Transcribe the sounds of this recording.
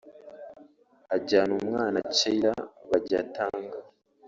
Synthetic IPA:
aɟaːnumŋaːnat͡ʃeɾaβaɟa̰taːŋɡa

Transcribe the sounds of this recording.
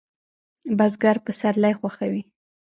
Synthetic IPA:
bazɡaɾpəsaɾlajxwaxawi

